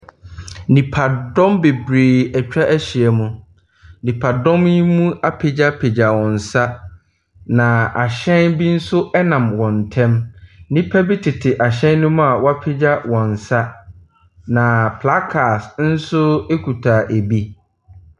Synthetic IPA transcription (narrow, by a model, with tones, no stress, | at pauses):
nĩ˨pʰa˨dɔ̃˦mbe˨bɾeː˨ɛ˨t͡ɕᶣa˦ʔæ˦ɕi˨ɛ˨mũ˦ | nĩ˨pʰa˨dɔ̃˦mi˦mũ˦a˦pʰe˨d͡ʑa˦pʰe˨d͡ʑa˨wɔ̃˨n̩˨sa˦ | nã˨a˨ɕɛ̃˦nbi˦n̩˦sʊ˦ɛ˦nã˨mwɔ̃˨n˨tʰɛ̃˦mnĩ˦pʰa˦bi˦tʰɪ˨tʰɪ˨ʔa˨ɕ̬ɛ̃˦nː˦ʊ̃˦m̃˦a˨wa˦pʰɪ˦d͡ʑa˦wɔ̃˨n˨sa˦ | nã˨pʰla˦kʰa˨sn̩˦sʊ˦e˦kʰu˨tʰaː˨ʔe˨bi˦